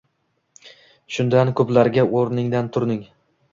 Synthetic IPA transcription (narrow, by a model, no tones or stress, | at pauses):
ʃʊnd̪ankʰɵplaɾɡʲaoɾnɪŋd̪ant̪ʰʊɾnɪŋ